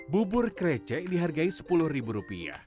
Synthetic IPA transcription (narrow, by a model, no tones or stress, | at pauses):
bubʊrkɾɛt͡ʃɛʔ̚diɦarɡaisə̥pulʊhribuɾupia̰h